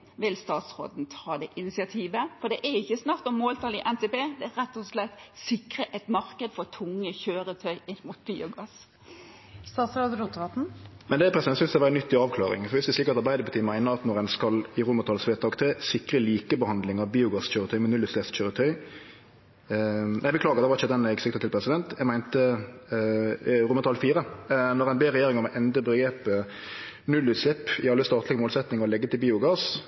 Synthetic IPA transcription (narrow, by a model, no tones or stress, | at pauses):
ʋɪlst̪ɑːt̪sɾo̰ːd̪n̩t̪ʰɑːd̪ɛʔɪnɪsɪɑt̪ʰiːʋəfɔd̪ɛʔæɾɪçːəsnɑʁt̪ɔmːoːlt̪ʰɑːlɪʔɛnt̪ʰɛbeːd̪ɛæɾɛt̪ːɔslɛt̪ːsɪkɾəʔɛt̪mɑʁkəd̪fɔɾt̪ʰʊŋːəçøːɾət̪ʰœʏɪnːmut̪̚biːʊɡɑs | st̪ɑːt̪sɾoːd̪ɾuːt̪ʋɑt̪n̩mɛnd̪ɛæpʰʁɛsd̪ɛnsʏnsd̪ɛɑʋæːɾənʏt̪ːɪɑːʋkʰlɑːʁɪ̰ŋfɔʋɪsd̪ʉsɪkəɾt̪ɑʁbæɪd̪əpɑt̪ʰiːmæɪnəʁɑt̪nɔʁɛnskɑlɪʁuːmət̪ʰɑːlsʋeːt̪ɑkt̪ʰɾeːsɪkʁəliːkəbəhɑnd̪lɪŋɑʋbiːʊɡɑsçøːɾət̪ʰœʏmɛnʉlʉːtslɛsçøːɾət̪ʰœʏ | ʔæɪbəkʰlɑːɡəɾd̪ɛʋɑʁɪçəd̪ɛnɛɡsɪk̚t̪ət̪ʰɪlpʰʁɛsɪd̪ɛnt̪jæɡmæɪnt̪ə | ʁuːmət̪ʰɑːlfiːɾənɔʁɛɪnbeːɾɛjeːɾɪŋəmɔʔɛnd̪əbəɡɾeːpə | nʉlːʉːt̪slɛpːɪɑlːəst̪ɑːt̪lɪɡəmoːlsɛt̪nɪŋɔlɛɡːət̪ʰɪlbiːʊɡɑs